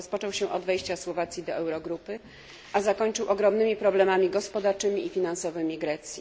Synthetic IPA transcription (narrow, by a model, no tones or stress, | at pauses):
ɔspɔt͡ʂɔwɕɛ̃ʔɔd̪vɛjɕt͡ɕaswɔvat̪sʲjid̪ɔʔɛwɾɔɡɾupɘ | ʔazakɔɲt͡ʂɘwʔɔɡɾɔmnɘmʲipɾɔblɛmamʲiɡɔspɔd̪aɾt͡ʂɘmʲiːfʲinansɔvɘmʲiɡɾɛt̪sʲji